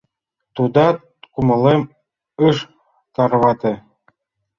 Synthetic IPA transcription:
t̪ud̪ɑ | kumɤ̆lˠem | ɯʂ | t̪ɑrβɑd̪ʲɘ̆

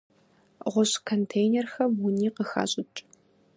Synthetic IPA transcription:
ʁʷʊɕʼkʰontʰejneɛrxɐmwʊniːqəxa̰ːɕʼɪt͡ʃʼ

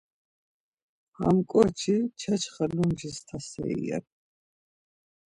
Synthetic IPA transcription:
a̰mkʼɔɾt͡ʃʰit͡ʃʰɛt͡ʃʰχəlumʒist̪ʰasɛ̰iɛ̰

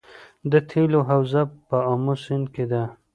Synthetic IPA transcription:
d̪ət̪ʰeloɦawzapəamosɪnked̪a

